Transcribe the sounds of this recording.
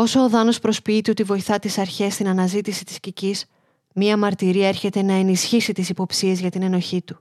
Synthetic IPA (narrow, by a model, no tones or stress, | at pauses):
o̞soːðɐno̞spɾo̞spit̪eo̞t̪ivo̞iθɐt̪isɐɾçe̞st̪inɐnɐzit̪isi̥t̪i̥scicis | miɐmɐɾt̪iɾiɐe̞ɾçe̞t̪e̞nɐenisçisit̪isipo̞psie̞zʝɐt̪ine̞no̞çit̪u